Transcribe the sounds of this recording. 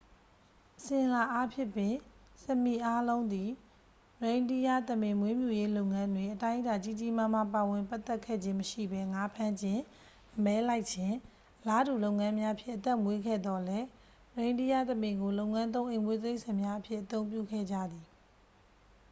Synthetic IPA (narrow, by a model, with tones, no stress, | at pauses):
ʔəsɪ̃˨ʔla˨ʔa˦pʰjɪ˦˨pːɪ̃˨sə˨mi˨ʔa˦lõ˦ʊ̃nd̪i˨ | ɹẽ˨ɪ̃ndi˦˨ja˦˨t̪əmɪ̃˨mwe˦mjṵ˨je˦lo˦ʊŋã˦ndwe˨ʔətã˦ɪ̃ʔə˦ta˨t͡ɕi˦˨t͡ɕi˦˨mã˦˨m̥a˦˨pa˨wɪ̃˨mpa˦t̪ːɛ˦kʰɛ̰˦˨d͡ʑɪ̃˦məʃḭ˦˨bɛ˦ŋa˦pʰã˦ɲd͡ʑɪ̃˦˨ | ʔəmɛ˦la˦ɪʔt͡ɕʰɪ̃˦˨ | ʔəla˦du˨lo˦ʊŋã˦mja˦ʔəpʰjɪ̰̃˦ʔət̪ɛ˦˨mwe˦ɡɛ̰˦˨d̪ɔ˨lɛ˦ | ɹẽ˨ndi˦ja˦˨t̪ə˨mɪ̃˨ŋɡo˨lo˦ʊŋã˦nt̪̬õ˦ʊ̃ʔẽ˨ɪ̃mwe˦t̪e˦ɪʔsã˨mja˦ʔəpʰjɪ˦ʔət̪õ˦ʊ̃mp̬jṵ˦˨kʰɛ̰˦˨d͡ʑä̰˦˨d̪i˨